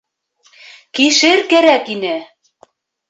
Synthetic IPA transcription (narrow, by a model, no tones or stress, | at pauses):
kiʃɘɾkæɾækinɘ